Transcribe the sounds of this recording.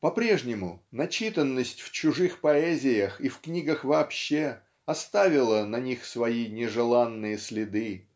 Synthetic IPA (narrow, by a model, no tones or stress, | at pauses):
pɐpɾʲe̞ʐnʲɪmʊnɐt͡ɕit̪ənːəsʲtʲft͡ɕʊʐɨxpɐɛzʲɪjəxifknʲiɡəxvɐːpɕːe | ɐst̪avʲɪlˠənɐnʲixsvɐinʲɪʐɨlˠanːɨjəsʲlʲɪd̪ɨ